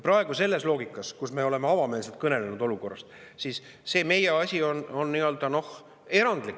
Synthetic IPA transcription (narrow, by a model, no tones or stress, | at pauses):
prɑe̞ɡ̥use̞lːe̞slo̞ːɡ̥ikːˑɑskusme̞o̞le̞meɑvɑme̞ːlse̞lt̪̚kɤne̞lenud̪̥o̞luko̞rːɑst̪ | siːsː | e̞ːme̞jeɑsʲio̞no̞nːiø̞ld̪̥ɑno̞h | e̞ɾɑnd̪̥likː